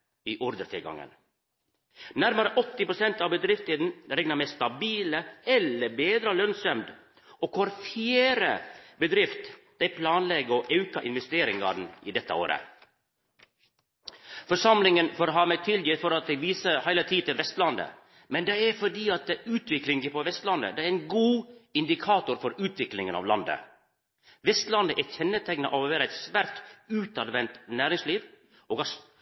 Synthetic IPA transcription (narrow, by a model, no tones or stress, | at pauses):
iːʔɔɾd̪əɾt̪ʰɪlɡɑ̰ŋə̰n | næɾməɾəʔɔt̪ːɪpɾʊsɛnt̪ɑʋbəd̪ɾɪft̪id̪n̩ɾɛŋnəmɛst̪ɑbiːləɛlːəbeːd̪ɾəlœnsœmd̪ | oːkʰɑɾfeːɾə̰bəd̪ɾɪft̪ | d̪̥ɛɪpʰlɑːnlɛɡəɔʔɑʉkɑʔɪnʋɛst̪eːɾɪŋɡɑ̰ɖɳ̩n̩iːd̪ɛt̪ːə̰o̰ːɾə̰ | fɔʂɑmlɪŋənfoːɾɦɑːmɛɪt̪ʰɪljifɔɾɑt̪̚d̪ɛɡʋiːsəhæɪlət̪ʰiːt̪ɪlʋɛst̪lɑnd̪ə̰ | mɛnd̪ɛæɾfɔɖiːɑt̪̚d̪ɛʉːt̪ʰʋɪklɪŋɡɪpʰɔʋɛst̪lɑnd̪ə̰d̪ɛæɾæɪnɡuːɪnd̪ɪkʰɑːt̪ʊɾfɔɾʉːt̪ʋɪklɪŋənɑ̰ʋlɑnd̪ə̰ | ʋɛst̪lɑnd̪əʔæçɛnːət̪ʰæɪɡnɑ̰ʔɑʋʋeːɾəæɪt̪sʋæːɾt̪ʉːt̪ɑd̪ʋɛnt̪næːɾɪŋsliːʋ | oːɡɑs